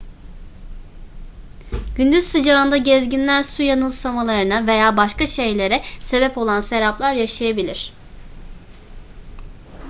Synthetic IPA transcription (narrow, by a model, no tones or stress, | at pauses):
ɟynd̪yz̥sɯd͡ʒaɯnd̪aɟɛzɟinlʲæɾsujanɯlˠsamalˠaɾɯnave̞jaːbaʃkaʃe̞jlʲe̞ɾɛse̞bɛpo̞lˠanse̞ɾaplˠaɾjaʃajabilʲiɾ̝̥